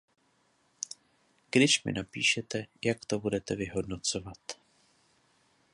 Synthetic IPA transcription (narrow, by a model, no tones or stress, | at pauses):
ɡ̥dɪʃmɪ̰napiːʃɛt̪ɛjakt̪o̞budɛt̪ɛvɪɦo̞dnot͡so̞vat̪